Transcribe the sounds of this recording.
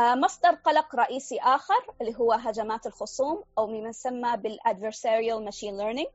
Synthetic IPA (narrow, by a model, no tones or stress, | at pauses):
mɑsˤd̪ɑɾˤqɑlɑqɾˤɑʔiːsiʔaːxɪɾˤʔɪlːiːɦʊwːaɦad͡ʒamaːt̪ɪlxʊsˤuːmʔawmɪmansamːabɪlʔad̪veɾsaːɾjalmaʃiːnlɛɾnɪŋ